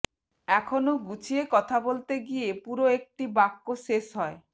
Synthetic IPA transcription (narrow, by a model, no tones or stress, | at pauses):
ɛkʰonoɡut͡ɕʰiekɔt̪ʰabolt̪eɡiepuɾoek̚ʈibakːoʃeʃɦɔe